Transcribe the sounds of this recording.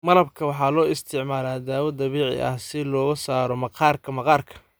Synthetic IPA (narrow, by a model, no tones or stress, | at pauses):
mɐlɐbkʰɐwɑħɑːlɔːɪst̪ʰɪʕmaːlaːd̪aːwɐd̪ɐβiːʕɪ̰ʔɐ̰hsɪlɔːɣɐsaːɾɔmɐqɑːrkʰɐmɐqɑːrkʰɐ̥